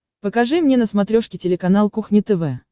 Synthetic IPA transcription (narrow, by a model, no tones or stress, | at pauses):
pəkɐʐɨmnʲenəsmɐt̪ɾʲoʂkʲɪtʲɪlʲɪkɐnalˠkuxnʲɪt̪ɛvɛ